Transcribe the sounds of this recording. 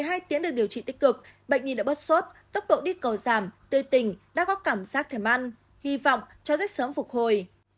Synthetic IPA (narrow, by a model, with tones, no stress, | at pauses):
jɦaː˧jt̪i˨˦ənɗk̚ɗi˨˩əwt͡ɕḭ˧˨t̪ï˦˥k̟̚kɨ˨˩k̚ɓə̰˧˨jŋ̟ɲi˨˩ɗa̰ː˧˥ɓə˦˥t̚so˦˥t̚t̪ə˦˥wk͡p̚ɗo̰˧˨ɗi˧kə˨˩wzaː˧˩mt̪ɨ˧˩t̪ï˨˩ŋ̟ɗa̰ː˧˥ɣɔ˨˦kaː˧˩mzaː˦˥k̚t̪ʰe˧˩mʔa˧n | hi˧vɔ̰˧˨wŋ͡m | t͡ɕɔ˧zɛ˦˥k̚səː˨˦mfʊ˨˩k̚ho˨˩j